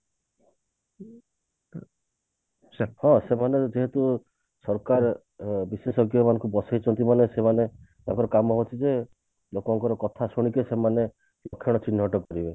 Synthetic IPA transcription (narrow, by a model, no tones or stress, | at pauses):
hɔ̃semaned͡ʒeɦet̪u | sɔɾkaɾ | bisesɔɡjɔmanɔŋkubɔsajt͡ʃʰɔnt̪imanesemane | t̪a̰ŋkɔɾɔkamɔɦot͡ʃʰid͡ʒe | lokɔŋkɔɾɔkɔt̪ʰasuɽ̃ikesemane | lɔkʰːjɔɽ̃ɔt͡ʃinːɔʈɔkɔɾibe